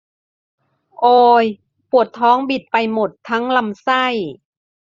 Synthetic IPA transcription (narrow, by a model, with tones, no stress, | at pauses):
ʔoː˧j | pu˨˩ət̪ʰːɔː˦˥ŋbi˨˩t̪̚pa˧jmo˨˩t̪ʰːa˦˥ŋla˧msa˥˩j